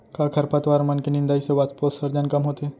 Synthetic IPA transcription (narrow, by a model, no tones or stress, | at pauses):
kakʰɐɾpat̪ʋaːɾmɐnkenĩnd̪aːiseʋat͡sposɐɾd͡ʒənkɐmɦoːt̪e